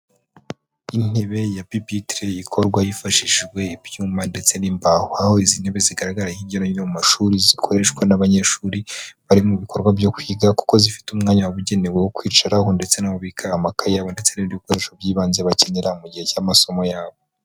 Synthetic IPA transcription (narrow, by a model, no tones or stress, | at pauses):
in̥e̞βe̞japipitɾeikʰo̞ɾɡwajifaʃiʒɡwe̞ibjuːmande̞t͡se̞niːmbahoahoizin̥he̞βeziɡaɾaɡaɾahiɟonoɲinomumaʃuɾizikʰo̞ɾe̞ʃkwanaβaɲe̞ʃuːɾiβaɾimuβikʰo̞ɾɡwabjo̞kwiːɡaku̥ko̞zifi̥tumŋaːɲawaβuɟe̞newewokwiːt͡ʃaɾaɦo̞nde̞t͡se̞naβoβikʰaːmakajaβo̞nde̞t͡se̞niβɾuko̞ɾe̞ʃo̞bjiːβaːnzeβace̞neɾamuɟihe̞camaso̞mo̞jaːβo̞